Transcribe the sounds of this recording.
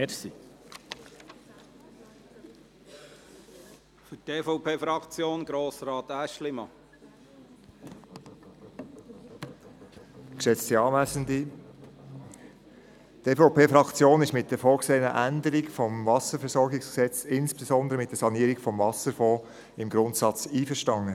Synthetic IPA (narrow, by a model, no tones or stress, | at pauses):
ɛɾsi | fʏteːfoʊpʰeːfɾɑkt͡sjoːnɡɾoːsɾɑːt̪æʃlɪmɑ | kʃɛt͡stiɑːmæsəndi | teːfopeːfɾɑkt͡sjoːnɪʃmɪt̚d̥ɛɾfɔːɡseːənəʔænd̪əɾiɡfɔmvɑsəɾfɛɾsɔɾɡɪksksɛt͡sɪnsb̥esɔnd̪əɾəmɪt̚d̥ɛsɑniəɾiɡfɔmvɑsəɾfɔː | ɪmɡɾʊntsɑt͡siːfəʃtɑŋːə